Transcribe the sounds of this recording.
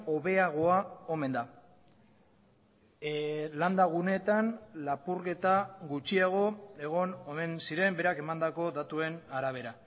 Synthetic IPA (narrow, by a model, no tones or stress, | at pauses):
o̞βe̞aɣ̞o̞ao̞me̞nd̪a | land̪aɣ̞une̞t̪anlapuɾke̞t̪aɣut͡ʃiaɣ̞o̞e̞ɣ̞o̞nome̞nsiɾe̞mbe̞ɾake̞mand̪ako̞d̪at̪ue̞naɾaβ̞e̞ɾa